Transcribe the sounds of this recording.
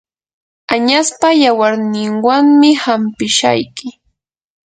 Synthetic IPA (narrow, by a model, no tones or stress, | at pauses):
aɲaspajawaɾnɪŋwaŋmɪhampɪʃa̰jkɪ